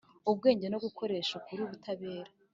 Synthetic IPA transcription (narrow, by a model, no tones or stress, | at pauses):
ubɡe̞ːɲɟe̞no̞ɡuko̞ɾe̞ːʃakuɾiuβutaβe̞ːɾa